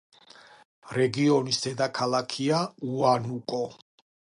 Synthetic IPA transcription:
ɾɛɡiɔnisd̪̥ɛd̪akʰalakʰiauanukʼɔ

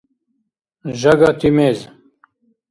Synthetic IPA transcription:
ʑɐɡat̪imeːz

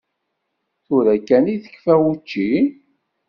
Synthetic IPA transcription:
θʊɾækːæniθə̥kːfæwut͡ʃːi

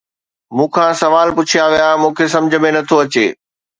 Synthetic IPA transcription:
mũːkʰãːsɐʋaːlpʊt͡ɕʰiaːʋijamũːkʰesɐ̃md͡ʑʱə̆mẽnɐt̪ʰoɐt͡ɕḛː

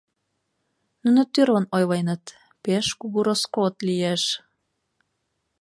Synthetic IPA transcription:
nunot̪yɾlɤ̆nojlɑjnɤ̆t̪ | peʃkuɣuɾoskot̪liæʃ

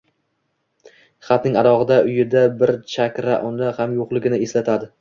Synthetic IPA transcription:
χɑt̪nɪŋaɾɒʁɨd̪aʔʊjɪd̪abɪɾt͡ʃʰakʲɾaʔɒnɪhamjoqlˠɪɡʲɪnɪe̞slat̪ʰad̪ɪ

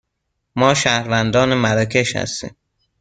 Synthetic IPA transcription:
mɒːʃæhɾvænd̪ɒːnemæɾɒːkʰe̞ʃhæ̰st̪ḭːm

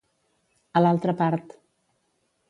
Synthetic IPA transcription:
əlalˠt̪ɾəpaɾt̪

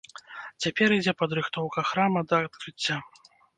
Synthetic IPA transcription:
t͡sʲapʲɛɾid͡zʲɛpɐd̪ɾɨxt̪ɔwkɐxɾamɐd̪ɐːt̪kɾɨt͡sʲːa

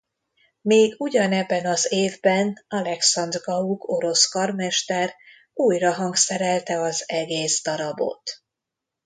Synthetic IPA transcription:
meːɡuɟɒnɛbːɛnɒzeːvbɛnɒlɛksɒnd̪rɡɒuɡo̞ɾo̞skɒrmɛʃt̪ɛɾ | uːjrɒɦɒŋksɛɾɛlt̪ɛɒzɛɡeːzd̪ɒɾɒbo̞̰t̪

